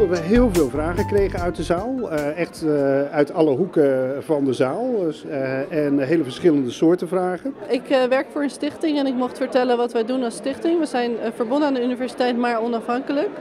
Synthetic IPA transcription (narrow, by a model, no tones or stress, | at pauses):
dɑtʋəɦɪːlˠvɪːlˠvraːχəkrejχənœɥt̚dəzaːlˠɛχtœɥtɑləɦukəvɑndəzaːlˠ | ɛnɦejləvəɹsχɪləndəsʊːɹtəvraːχənɪkʋɛɹkfʊːɹənstɪχtɪŋɛnɪkmɔχtfəɹtɛlənʋɑtʋəjdunɑlˠstɪχtɪŋʋəzɛjnvəɹbɔndəaːndəynivɛɹsi̥tɛjtmaːɹɔnɑfɦɑŋkələk